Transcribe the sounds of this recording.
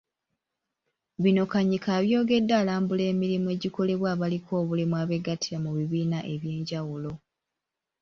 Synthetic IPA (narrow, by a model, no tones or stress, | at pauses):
βino̞kaɲikaːβjo̞ːɡe̞dːaːlaːmbule̞ːmiɾimue̞ːɟiko̞le̞βwaːβalikʰo̞ːβulimwaːβe̞ɡatʰiɾamuβiβiːnaʔe̞βje̞ːɲɟawulo̞